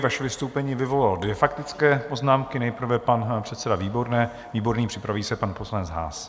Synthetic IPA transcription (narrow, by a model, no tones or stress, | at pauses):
vaʃɛvɪst̪owpɛɲiːvɪvo̞laldvjɛfakt̪ɪt͡skɛːpo̞znaːmkɪnɛjpɾ̩vɛpanpr̝̥ɛt̪sɛdaviːbo̞ɾnɛː | viːbo̞ɾniːpr̥ɪpɾaviːsɛpanpo̞slanɛt͡sɦa̰ːs